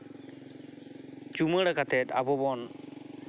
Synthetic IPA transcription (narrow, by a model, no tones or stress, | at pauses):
t͡ʃuməɽakat̪ɛt̪abɔbɔn